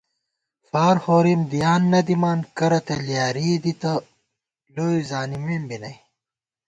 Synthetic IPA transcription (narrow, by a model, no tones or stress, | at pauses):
faːɾhoːɾimd̪ijaːnːɐd̪imaːnkɐɾɐt̪eljaːɾid̪it̪ɐ | lojzaːnimimbinɐj